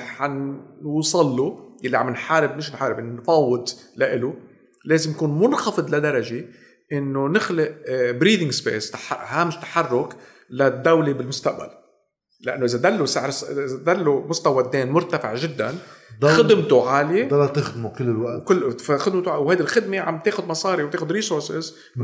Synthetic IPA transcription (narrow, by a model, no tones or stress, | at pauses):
ħanwsˤɑlːujalːiʕamɪnħaːɾɪbmɪʃɪnħaːɾɪbɪnnfɑːwːɪd̪laʔɪlu | leːzɪmjakuːnmʊnxɑfɨd̪ˤlad̪ɑɾˤɑʒe | ʔɪnːonɪxlɪʔbɾiːd̪ɪ̃ŋɡspḛːst̪aħhaːmɪʃt̪ːḁħɑrˤːʊk | lad̪ːawlibɪlmʊst̪aʔba̰l | lɪʔanːoʔɪzad̪alːusaʕɾsʔɪzad̪alːomʊst̪awad̪ːeːnmʊɾt̪afɪ̰ʕʒɪd̪ːa̰nxɪd̪ɪmt̪uʕaːld̪lːt̪ɪxd̪mukɪlːɪlwaʔkɪaxɪd̪mt̪ʊawhajd̪ɪlxɪd̪meʕa̰mt̪eːxʊd̪mɑsˤɑːɾiwt̪eːxʊd̪ɾiːsoɾsɪz